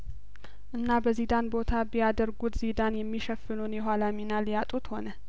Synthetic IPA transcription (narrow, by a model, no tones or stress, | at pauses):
ʔɨnːabəzid̪anbo̞t̪ʰabijad̪əɾɡut̪z̥id̪anjɛmːiʃəfɨlunjɛɦʷalaminaljat̪ʼut̪ho̞nə